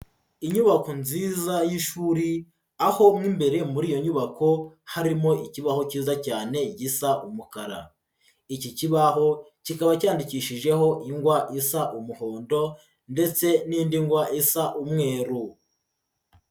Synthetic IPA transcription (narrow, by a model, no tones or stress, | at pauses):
iɲuβako̞nziːzajiʃuːɾi | aho̞mŋimbe̞ɾe̞muɾiːjo̞ɲuβako̞haɾimo̞iciβaho̞ciːzacaːne̞ɟisaʔumukaɾa̰ | iciciβaɦo̞ | cikaβacaːndiciʃiʒe̞ɦo̞ʔiŋɡwaʔisaʔumuho̞ːndo̞ | nde̞t͡se̞niːndiŋɡwaʔisaʔumŋe̞ːɾu